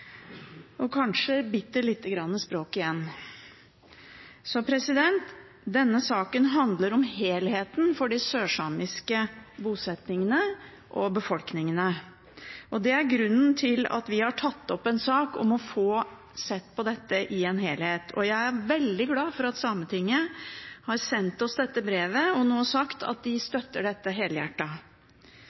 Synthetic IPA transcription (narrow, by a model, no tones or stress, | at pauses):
ʔɔkʰɑnʂəbɪt̪ːəɭɪt̪ːəɡɾɑnːəspɾoːkɪjɛnː | sɔpʰɾɛsɪd̪ɛnt̪ | d̪ɛnːəsɑːkənɦɑnd̪ləɾɔmheːlheːt̪nfɔɖɪsøːʂɑːmɪskəbuːsɛt̪nɪŋənə | ʔɔbəfɔlknɪŋənə | ʔɔd̪ɛæɾɡɾʉnːn̩t̪ʰɪlɑ̰t̪ʋɪhɑʈʰɑt̪ːɔpːɛnsɑːkɔ̰mɔfoː | sɛt̪ːpʰɔd̪ɛt̪ːəʔɪeːnɦeːlheːt̪ʰɔ̰jæɪæɾʋɛld̪ɪɡlɑːfɔɾɑt̪sɑːmət̪ʰɪŋːəhɑɾsɛnt̪ɔsd̪ɛt̪ːəbɾeːʋəɔnoːsɑkt̪ʰɑ̰t̪̚d̪ɪst̪œt̪ːəɖɛt̪ːəɦeːləjæ̰ʈːɑ